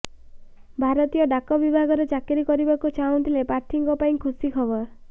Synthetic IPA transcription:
bʱaɾɔt̪ijɔɖakɔbibʱaɡɔɾed͡ʒakiɾikɔɾibakut͡ʃaũnt̪ʰilepaɾʈ̪ʰiŋkɔpaĩkʰusikʰɔbɔɾ

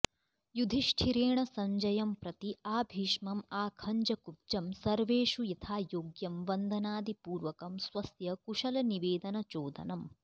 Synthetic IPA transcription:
jud̪ʱiʂʈʰiɾeːɳɐsɐɲd͡ʒɐjɐmpɾɐt̪iaːbʱiːʃmɐmaːkʰɐɲd͡ʒɐkup̚t͡ʃɐmsɐɾʋeːʃujit̪ʰaːjoːɡjɐmʋɐnd̪ʱɐnaːd̪ipuːɾʋɐkɐmsʋɐsjɐkuʂɐlɐniʋeːd̪ɐnɐt͡ʃoːd̪ɐ̰nɐm

